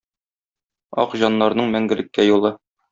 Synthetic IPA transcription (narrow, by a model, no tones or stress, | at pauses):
ɒ̰qʑɑnːɑɾnɤɴmæŋɡɘ̆lɘ̆kːæjulˠɤ